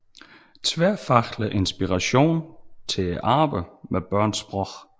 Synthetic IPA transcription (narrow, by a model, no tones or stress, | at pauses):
t͡sʰʋæɐ̰fɑ̈ɡ̥ləʔe̝nsb̥iʁɑɕo̝̰ːnt͡sʰe̝ʔɑ̈ːb̥əmʔeb̥ɶɐ̰nsb̥ʁɔ̥